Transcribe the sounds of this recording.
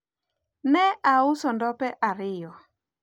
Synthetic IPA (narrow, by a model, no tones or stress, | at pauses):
nɛʔaʊsɔndɔpɛʔaɾɪjɔ